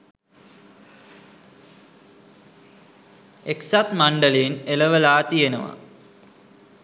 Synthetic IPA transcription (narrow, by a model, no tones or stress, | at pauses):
eksat̪mɐɳɖəlejneləʋəlaːt̪ijenɐ̰ʋa̰